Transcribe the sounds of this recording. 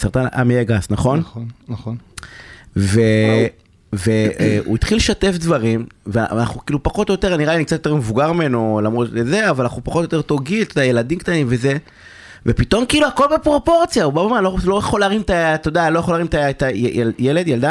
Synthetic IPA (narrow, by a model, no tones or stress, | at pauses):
saʁt̪anʔa̰mejeɡasnaχo̞n | ve | veṵit̪χileʃate̞fd̪vaʁimveana̰χukiːlupaχot̪ojot̪e̞ʁaniʁalianik̚t͡sat̪joteʁmevuɡaʁmimenolamʁot̪eze̞avalanaχupaχotojot̪e̞jt̪oɡilt̪odaje̞lad̪imkt̪animve̞ze̞ | vepit̪o̞mkiːluako̞lbepʁo̞po̞ʁt͡sjaubamomanlolojeχolaaʁimt̪at̪od̪aalo̞jeχolaʁimt̪aet̪aeljele̞d̪jeld̪a